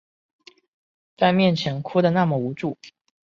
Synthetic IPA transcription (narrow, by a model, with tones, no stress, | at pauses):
t͡sa˥˧ɪmjɛ˥˩nt͡ɕʰjɛ˧˥nkʰu˥d̪ə˨na˥˩mə˩u˧˥ʈ͡ʂu˥˩